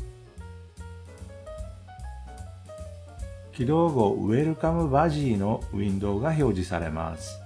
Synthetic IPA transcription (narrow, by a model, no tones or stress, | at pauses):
kʲid̪o̞ːɡo̞ɯ̰e̞ɾɯ̟kamɯ̟baʑiːno̞ĩnd̪o̞ːɡaço̞ːʑisaɾe̞ma̰sɨ̥